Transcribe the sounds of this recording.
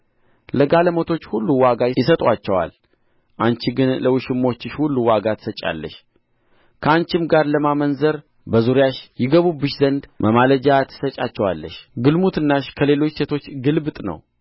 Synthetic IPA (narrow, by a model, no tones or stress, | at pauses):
ləɡaləmət̪ʰo̞t͡ʃːhulːuwaɡajjɪsət̪ʼwat͡ʃːɛwa̰l | ʔant͡ʃiɡɨnləwɨʃɪmːo̞t͡ʃːɪʃhulːuwaɡat̪ʰə̥sət͡ʃʼa̰lːə̰ʃ | kʰəant͡ʃɪmɡaɾləmamənzəɾ | bəzuɾjaʃjɪɡəβubɨʃzənd̪mʔəmaləd͡ʒat̪ʰɨ̥sət͡ʃʼat͡ʃːɛwa̰lːə̰ʃɡɨlmut̪ʰɨnːaʃkʰəle̞lo̞t͡ʃːse̞t̪ʰo̞t͡ʃːɡɨlbt̪ʼnə̰w